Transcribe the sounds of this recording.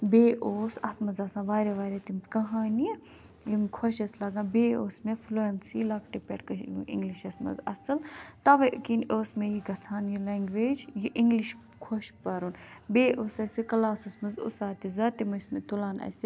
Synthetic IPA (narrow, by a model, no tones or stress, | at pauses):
beːʔoːsɐt̪ʰmɐzaːsãːʋaːɾʲeʋaːɾʲet̪imt̪ʰkɐɦaːni | jimkʰɐʃɐslɐɡãːbeːoːsmefloːɐnsiːlɐk̚ʈipʲḛʈkəʃjuḭ̃ŋɡliʃɐsmɐ̰zɐ̰sɨlt̪ɐʋɐjkiːnoːsmejiɡɐt͡sʰaːnjileːŋɡʋeːd͡ʒjiʔiŋɡliʃ | kʰoʃpɐɾunbeːʔoːsɐsikɐlaːsɐsmɐzṵsaːt̪izɐt̪imɐsmet̪ulaːnɐ̰si